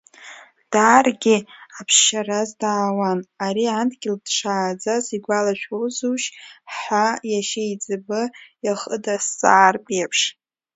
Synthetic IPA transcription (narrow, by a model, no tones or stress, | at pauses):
d̥aːrɡʲiapʰʃarazdaːwanaɾiandɡʲɪldʂaːd͡zaziɡʷalaʃʷᶣowzuʃħajaʃejd͡zʼɨbɨjaχə̰dasːʼaːrpʼiapʰʂ